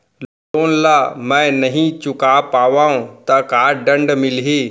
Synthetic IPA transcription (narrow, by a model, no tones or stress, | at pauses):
l | oːnlaːmɛ̃ːnɐɦĩt͡ɕʊkaːpaːʋaːũt̪ɐkaːɖɐ̃ɳɖmɪliɦeː